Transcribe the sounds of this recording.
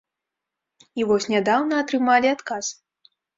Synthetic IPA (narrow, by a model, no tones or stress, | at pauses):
ivɔsʲnʲad̪awnɐːt̪ɾɨmalʲiat̪kas